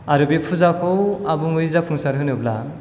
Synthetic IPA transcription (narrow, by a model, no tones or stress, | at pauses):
aɾɯbipʰuzakʰɔwabuŋɯjzapʰuŋsaɾɦɯnɯbla